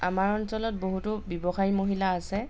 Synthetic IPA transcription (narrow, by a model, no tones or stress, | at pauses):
amaɹɔnsɔlɔt̚boɦutʊbɔbɔxajmoɦilaːsɛ